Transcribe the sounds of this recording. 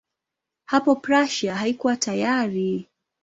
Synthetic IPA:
hapɔpɾaʃaɦaikuwatajaɾi

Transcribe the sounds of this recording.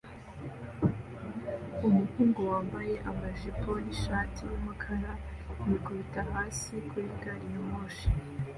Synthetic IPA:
umuhuːŋɡo̞waːmbaje̞ʔamaʒiponiʃaːtiwamakʰaɾa | jikuβitahaːsikuɾiɡaɾijomoʃi̥

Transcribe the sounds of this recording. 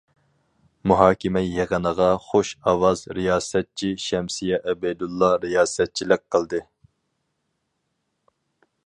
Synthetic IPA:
muɦɑːkʲʰimɛjeʁənəʁɑχoʃɑwɑzɾijɑːsɛt̪̚t͡ʃʰiʃɛmsijɛʔɛbɛd̪ulˠːɑɾijɑːsɛt̪̚t͡ʃʰilɪk̚ʲqʰəlˠd̪ɨ

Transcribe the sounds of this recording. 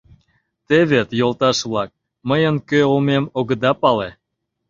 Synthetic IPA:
t̪eβet̪jolˠt̪ɑʃβlˠɑk̚ | məjənkøolmemoɣəd̪ɑpɑle

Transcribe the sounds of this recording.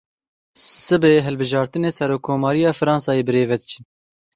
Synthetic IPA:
sɨbeːɦɛlbɨʒɑːɾt̪ɨneːsɛɾoːkʰːoːmɑːɾijɑːfɨɾɑːnsɑːjeːbɨɾeːvɛd̪ɨt͡ʃʰi

